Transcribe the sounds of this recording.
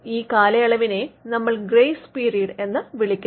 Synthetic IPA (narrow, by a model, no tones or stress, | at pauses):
iːkaːlɐjɐɭɐʋine̞nɐmːɐɭɡrejspiːɾijɐɽe̞nːɨʋiɭikʲːu